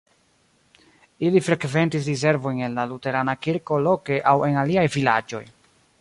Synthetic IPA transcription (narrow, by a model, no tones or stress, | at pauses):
ilifɾe̞kve̞ntis̬ɾize̞ɾvo̞jne̞nlalute̞ɾanakiɾko̞lo̞ke̞ʔawe̞naliajvila̰d͡ʒo̞̰j